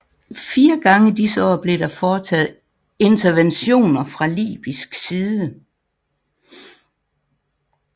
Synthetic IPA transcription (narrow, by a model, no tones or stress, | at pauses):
fiːɐɡ̥ɑ̈ŋəid̥isəɒ̰ːb̥le̝ɾ̥ɑfɒːt͡sʰɛ̰ð̩ˠ | e̝nt͡sʰɐʋenɕo̝̰ːnɐfʁɑ̈lḭːb̥isɡ̥siːðˠə